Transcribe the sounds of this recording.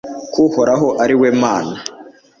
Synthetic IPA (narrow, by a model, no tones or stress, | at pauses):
kuhoɾaɦo̞ʔaɾiweːmaːna